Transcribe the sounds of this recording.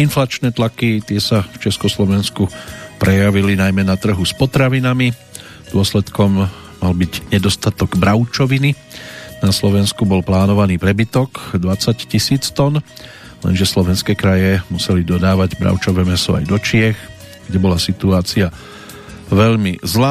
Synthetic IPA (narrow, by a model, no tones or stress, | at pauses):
inflat͡ʃnɛːt̪lakit̪ɪɛsaft͡ʃɛskɔslɔʋɛnskupɾɛjaʋilinajmɛnat̪r̩ɦuspɔt̪ɾaʋinami | d̪̥ʊɔslɛt̪kɔmː | albiɟɲɛd̪ɔst̪at̪ɔɡbɾaʊt͡ʃɔʋini | naslɔʋɛnskubɔlplaːnɔʋaniːpɾɛbit̪ɔkd̪ʋat͡saccisiːt͡st̪ɔn | lɛ̰nʒɛslɔʋɛnskɛːkɾajɛmusɛlid̪ɔd̪aːʋaɟbɾa̰ʊt͡ʃɔʋɛːmɛsɔa̰jd̪ɔt͡ʃɪɛx | ɡ̥ɟɛbɔlasit̪uaːt͡sia | ʋɛʎmizlaː